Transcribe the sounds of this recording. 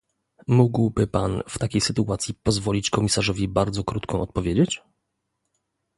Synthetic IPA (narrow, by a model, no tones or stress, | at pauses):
muɡwbɘpanft̪akʲejsɘt̪uat̪sʲjipɔzvɔlʲit͡ɕkɔmʲisaʐɔvʲibaɾd̪zɔkɾut̪kʰɔ̃w̃ʔɔt̪̚pɔvʲjed͡ʑet͡ɕ